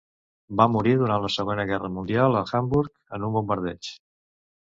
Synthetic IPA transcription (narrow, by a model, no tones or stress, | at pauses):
bamuɾiɾðuɾant̪ləsəɣwenəɣɛrəmund̪ialˠəxambuɾk | ənumbumbəɾðɛ̰ʃ